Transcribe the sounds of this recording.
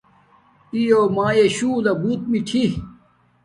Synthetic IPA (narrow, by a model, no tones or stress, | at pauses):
ijoːmãːjeɕuːlɐbuːt̪̚miʈʰi